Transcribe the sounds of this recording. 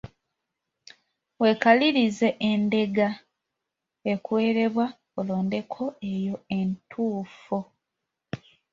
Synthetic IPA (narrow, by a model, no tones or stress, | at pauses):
we̞kaliɾize̞ʔende̞ɡa | e̞kwe̞ːɾe̞βwa | olo̞ːnde̞kʰo̞e̞jo̞e̞ntʰuːfo